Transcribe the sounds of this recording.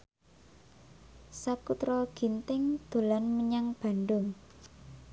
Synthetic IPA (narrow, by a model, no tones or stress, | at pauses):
sakut̪ɾɔɡ̥int̪ɪŋd̪̥o̤lanməɲaŋb̥a̤nɖʊŋ